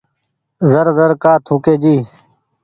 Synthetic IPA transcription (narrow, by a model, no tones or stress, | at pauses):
zəɾzəɾkaːt̪ʰũːkeːd͡ʒiː